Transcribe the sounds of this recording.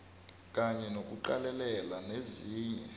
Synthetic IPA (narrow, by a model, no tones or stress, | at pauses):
k̬ʼaɲɛnok̬ʼuǃalɛlɛlaneziːɲɛ